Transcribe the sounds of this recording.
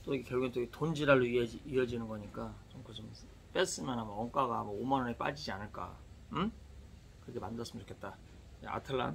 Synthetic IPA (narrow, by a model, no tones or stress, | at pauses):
t͈oiɡekjʌɭɡent͈oɡetond͡ʑiɾaɭːoiʌiiʌd͡ʑinɯnɡʌɲik͈at͡ɕomkɯt͡ɕom | p͈es͈ɯmjʌnɦamʌŋk͈aɡaɦamʌomanʌnep͈a̰d͡ʑid͡ʑianɯɭk͈a̰ | kɯɾʌkʰemandɯʌs͈ɯmjʌnt͡ɕokʰe̞t͈̚a | ḛa̰tʰɯɭːa̰n